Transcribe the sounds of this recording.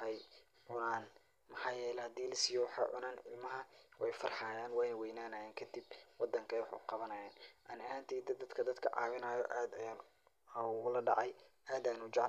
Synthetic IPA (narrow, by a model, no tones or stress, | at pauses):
ɛj | ʕʊnaːn | mɑħɑːjɛːlɛhɐd̪iːlɐsiːjɔwɑħɑ̰ʕʊnaːnɪ̰lmɐɦɐwɛjfɐ̰rħaːjaːnwɛjnɐwɛjnaːnɐjaːŋkʰɐd̪ibwɑd̪ɐŋkʰɛjwɑħkʊ̰qɑβɐnɐːjaːnʔɐnɪaːnt̪ʰiːd̪ɐd̪ɐd̪kʰɐd̪ɐd̪kʰɐ̰ʕɑ̰ːβɪnaːjɔ̰ʔaːd̪ɐjaːn | ʊlɐɖɑʕɑjʔaːd̪ɐːnʊt͡ʃɑʕ